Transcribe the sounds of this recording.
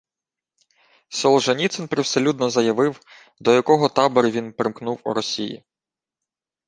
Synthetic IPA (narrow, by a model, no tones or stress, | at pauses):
sɔlˠʒɐnʲit̪sɛnpɾewselʲut̪nɔzɐjɐʋɪw | d̪ɔjɐkɔɦɔt̪ɑbɔɾʲʊʋʲinpɾɪmknuwṵɾɔsʲijḭ